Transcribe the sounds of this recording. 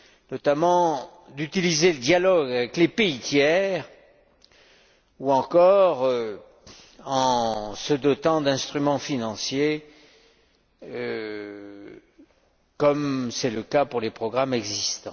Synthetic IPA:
nɔt̪amɑ̃ | d̪yt̪ilizeləd̪jalɔɡavɛklepeit̪jɛʁ | uɑ̃kɔʁø | ɑ̃səd̪ɔt̪ɑ̃d̪ɛ̃st̪χymɑ̃finɑ̃sje | ø | kɔmsɛləkapuʁlepχɔɡʁamɛɡzist̪ɑ̃

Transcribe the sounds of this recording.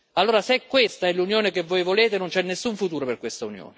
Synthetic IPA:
alːoːɾaseɛkːwest̪aɛlunjoːnekevːojvoleːt̪enʊnt͡ʃɛnːesːuɱfut̪uːɾoperkwest̪aunjo̰ːne

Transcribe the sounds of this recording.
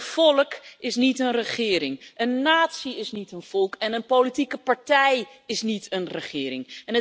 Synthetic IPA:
fɔlˠkɪsnitənrəχɪːɾɪŋʔənːaːtsiɪsnitənv̥ɔlˠkɛnənpolitikəpaɹtɛj | ɪsnitʰənrəχɪːɾɪŋɛnə

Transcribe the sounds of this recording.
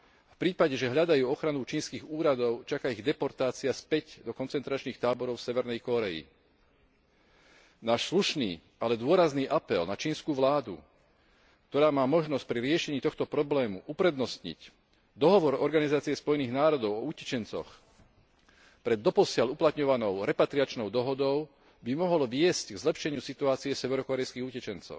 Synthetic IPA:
fpɾiːpaɟɛʒɛɦʎad̪ajuːɔxɾanut͡ʃiːnskiːɣuːɾad̪ɔʊt͡ʃakaiɣd̪ɛpɔɾt̪aːt͡siaspɛcd̪ɔkɔnt͡sɛnt̪ɾat͡ʃniːxt̪aːbɔɾɔʊfsɛʋɛɾnɛjkɔɾɛḭ | naːʃsluʃniː | alɛd̪ʊɔɾazniːʔapɛlnat͡ʃiːnskuːʋlaːd̪ṵ | k̚t̪ɔɾaːmaːmɔʒnɔsc̚pɾiɾɪɛʃɛɲiːt̪ɔxt̪ɔpɾɔblɛːmṵʔupɾɛd̪nɔsɲḭc | d̪ɔɦɔʋɔɾɔɾɡanizaːt͡siɛspɔjniːɣnaːɾɔd̪ɔʊɔucɛ̥t͡ʃɛnt͡sɔ̰x | pɾɛd̪ːɔpɔsɪaluplat̪ɲɔʋanɔʊɾɛpat̪ɾiat͡ʃnɔʊd̪ɔɦɔd̪ɔʊ | bimɔɦɔlʋɪɛscɡzlɛpʃɛɲɪusit̪uaːt͡siɛsɛʋɛɾɔkɔɾɛjskiːɣucɛt͡ʃɛnt͡sɔ̰ʊ

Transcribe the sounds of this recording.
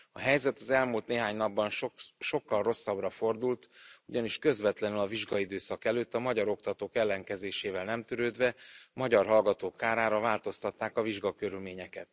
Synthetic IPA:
ɒɦɛjzɛt̪ɒzɛlmult̪neːɦaːɲnɒbːɒnʃʃo̞kːɒlro̞sːɒbrɒfo̞rd̪ult̪uɟɒniʃkø̞zvɛt̪lɛnylɒviʒɡɒid̪øːsɒkɛløːt̪ːɒmɒɟɒɾo̞kt̪ɒt̪oːkɛlːɛŋkɛzeːʃeːvɛlnɛmt̪yɾøːd̪vɛmɒɟɒrɦɒlɡɒt̪oːkːaːɾaːɾɒvaːlt̪o̞st̪ɒt̪ːaːkɒviʒɡɒkø̞ɾylmeːɲɛkɛt̪

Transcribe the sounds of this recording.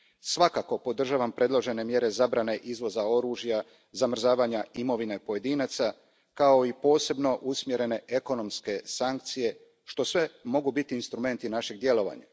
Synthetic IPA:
sʋakako̞po̞d̪r̩ʒaːʋampɾe̞d̪lˠo̞ʒe̞ne̞mje̞ɾe̞zabɾane̞ʔizʋo̞zao̞ɾuːʒja | zamr̩zaːʋaːɲaimo̞ʋine̞po̞je̞d̪inat̪sa | kao̞ipo̞ːse̞bno̞ʔusmje̞ɾe̞ne̞ʔeko̞no̞mske̞saŋk̚t̪sije̞ | ʃt̪o̞sʋe̞mo̞ɡubit̪iːnst̪ɾume̞nt̪inaʃe̞ɡ̚d̪je̞lo̞ʋa̰ɲa̰

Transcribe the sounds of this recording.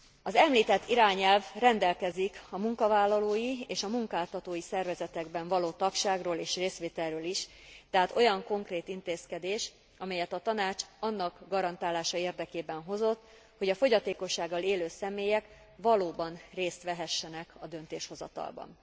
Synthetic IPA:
ɒzɛmliːt̪ɛt̪ːiɾaːɲɛlvrɛnd̪ɛlkɛzikɒmuŋkɒvaːlːɒloːjieːʃɒmuŋkaːlt̪ɒt̪oːjisɛrvɛzɛt̪ɛɡbɛɱvɒloːt̪ɒkʃaːɡroːleːʃreːst̪ʋeːt̪ɛrrøːliʃ | t̪ɛɦaːt̪o̞jɒŋko̞ŋkreːt̪int̪eːskɛd̪eːʃ | ɒmɛjɛt̪ɒt̪ɒnaːt͡ʃɒnːɒɡɡɒɾɒnt̪aːlaːʃɒeːrd̪ɛkeːbɛnɦo̞zo̞t̪ː | ho̞ɟɒfo̞ɟɒt̪eːko̞ʃːaːɡːɒleːløːsɛmeːjɛk | vɒloːbɒnreːst̪ʋɛɦɛʃːɛnɛkɒd̪ø̞nt̪eːʃho̞zɒ̰t̪ɒ̰lbɒ̰n

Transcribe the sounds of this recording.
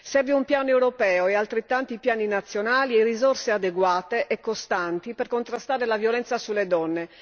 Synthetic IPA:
sɛrveumpjaːnoewɾopɛːoɛalt̪ɾet̪ːant̪oipjaːninat̪sːjonaːlierizorsead̪eɡwaːt̪eʔɛkːost̪ant̪iperkont̪ɾast̪aːɾelavjolɛnt̪sasulːed̪ɔnːe

